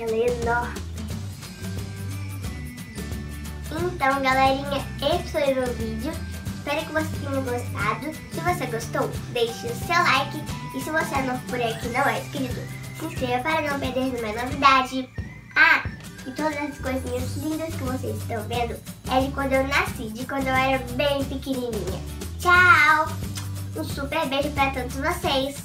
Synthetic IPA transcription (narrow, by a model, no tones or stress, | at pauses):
elenoɾm | ẽnt̪ɐ̃w̃ɡalɛɾĩɲɐessoivevid͡ʒɪʊ | ɪspɛɾʊkɪvose̥t̪ẽɲɐɡost̪ad̪ʊ | sɪvoseɡost̪owd̪ejʃɪʊsewlajkɪ | ɪsɪvoseanõw̃fpuɾekɪnɐ̃w̃ɛɪskɾit̪ʊsĩskɾevɐpaɾɐnɐ̃w̃peɾd̪eɾnũmɐ̃novid̪ad͡ʒɪ | a | ɪt̪od̪ɐzɛsɐskojzĩɲɐzlĩnd̪ɐskɪvosḛjzɪst̪ɐ̃w̃vẽnd̪ʊɛd͡ʒɪkwɐ̃nd̪ʊewnasid͡ʒɪkwɐ̃nd̪ʊewɛɾɐbẽj̃pɪkinĩnḭ̃ɲɐ̰ | t͡ʃaw | ũsupeɾbeʒʊpaɾɐt̪õd̪ʊzvosejs